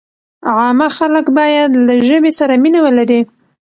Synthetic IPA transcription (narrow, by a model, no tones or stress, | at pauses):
ʕɑmaxaləkbɑjad̪laʒəbesaɾaminawəlaɾi